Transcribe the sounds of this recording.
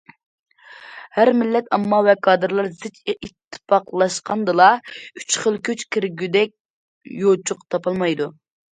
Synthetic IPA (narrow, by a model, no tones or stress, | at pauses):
hæɾmɪlːɛt̪ɑmːɑwɛkʰɑːd̪ɨɾlˠɑɾzɪt͡ʃit̪ʰːɨ̥pʰɑqlˠɑʃqɑnd̪ɨlˠɑy̥t͡ʃχəlˠkʲʰøt͡ʃkʲʰiɾɡʲyd̪ɛk̚ʲ | jot͡ʃʰuqt̪ʰɑpɑlˠmɑjd̪u